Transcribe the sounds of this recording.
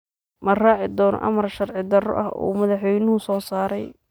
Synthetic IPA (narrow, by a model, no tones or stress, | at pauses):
mɐraːʕɪd̪ɔːnɔ̰ʔɐ̰mɐrʃɐrʕɪd̪ɐrɔ̰ʔɐɦṵːmɐðɑħwɛjnʊɦʊsɔːsaːɾɛj